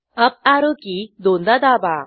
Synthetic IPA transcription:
əp̚aɾokid̪ond̪ad̪aba

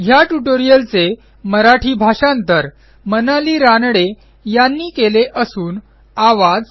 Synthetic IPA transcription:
ɦjaʈuʈoɾijəlt͡se | məɾaʈʰiːbʱaɕant̪əɾ | mənaliːɾanɽe | janːiːkeleʔəsuːn | aʋad͡z

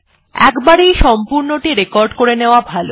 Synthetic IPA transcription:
ɛ̰kbaɾejʃɔmpuɾnoʈiɾekɔɾɖkoɾeneoabʱalo

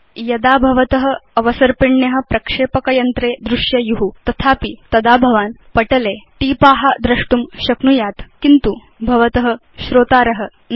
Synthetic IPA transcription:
jɐd̪aːbʱɐʋɐt̪ɐɦɐɐʋɐsɐɾpiɳːjɐɦɐ̆pɾɐkʂeːpɐkɐjɐnt̪ɾeːd̪ɾuʂjɐjuɦut̪ɐt̪ʰaːpit̪ɐd̪aːbʱɐʋaːnpɐʈɐleːʈiːpaːɦad̪ɾɐʂʈumɕɐknujaːt̪kint̪u | bʱɐʋɐt̪ɐɦɐ | ɕɾoːt̪aːɾɐɦə̆

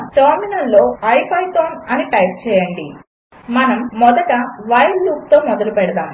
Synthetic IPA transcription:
ʈaːminɐlːo̞ːɐjpʰɐjt̪oːnɐniʈɐjp̚t͡ʃɛːjɐɳɖi | mɐnɐmːɔd̪ɐʈɐʋɐjlːuːk̚t̪o̞ːmɔd̪ɐlupɛɽɐd̪aːm

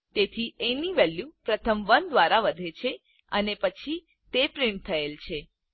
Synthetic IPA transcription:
t̪et̪ʰieniʋɛljupɾət̪ʰəmʋənd̪ʋaɾaʋəd̪ʱet͡ʃʰe | ənepət͡ʃʰi | t̪epɾiɳt̪ʰəelt͡ʃʰe

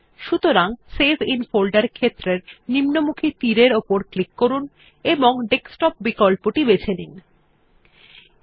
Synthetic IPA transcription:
ʃut̪oɾaŋsezinfolɖaɾkʰet̪ːɾeɾnimnomukʰit̪iɾeɾopoɾklikːoɾun | eboŋɖeksʈɔp̚bikolpoʈibet͡ɕʰenin

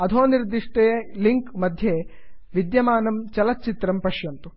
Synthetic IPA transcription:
ɐd̪ʰʱoːniɾd̪iʂʈejeliŋkmɐd̪ʱje | ʋid̪jɐmaːnɐmt͡ʃɐlɐt̪̚t͡ʃit̪ɾɐmpɐʃjɐnt̪u

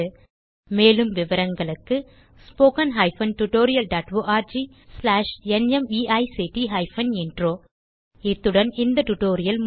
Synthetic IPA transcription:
ɯ | meːlɯmʋɪʋɐɾɐŋɡɐɭɯkːɯ | spoːkɐnɦɐɪfɐnʈʊʈoːɾɪjɐlɖaːʈʋoːʔaːɾd͡ʒi | slaːʂɛnɛmiːʔɐɪsiʈiɦɐɪfɐnɪnɖroː | ɪt̪ːɯɽɐnɪnd̪ɐʈʊʈoːɾɪjɐlm

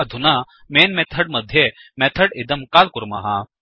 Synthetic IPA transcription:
ɐd̪ʱunaː | meːnmɛt̪ʰəɽ̚mɐd̪ʱjemɛt̪ʰɐɽid̪ɐmkaːlkuɾmɐ̰ɦa

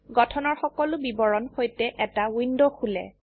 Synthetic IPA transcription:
ɡɔtʰɔnɔɹxɔkɔlʊbibɔɹɔnxojtɛʔɛtawindoxulɛ̰

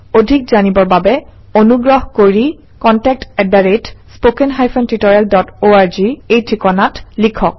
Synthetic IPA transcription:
odʱik̚zanibɔɹbabɛ | onuɡɹɔɦkoɹi | kɔntɛk̚tɛdaɹetspokɛnɦajpʰɔntitɔɹialdɔtoaɹziejtʰɹikɔnatlikʰɔk̚

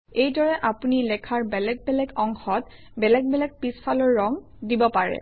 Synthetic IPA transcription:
ejdɔɹɛʔapunilɛkʰaɹbɛlɛɡ̚bɛlɛkɔŋxɔt | bɛlɛɡ̚bɛlɛk̚pispʰalɔɹːɔŋ | dibɔpaɹɛ̰

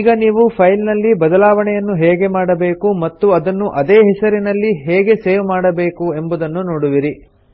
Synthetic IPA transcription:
ɡɐniːʋupʰɐjlnɐlːibɐd̪ɐlaːʋɐɳɛjɐnːuɦeːɡe̞maːɽɐbe̞ːkumɐt̪ːuɐd̪ɐnːuʔɐd̪eːɦɛsɐɾinɐlːiɦeːɡe̞seːʋmaːɽɐbe̞ːkue̞mbud̪ɐnːunoːɽuʋiɾi

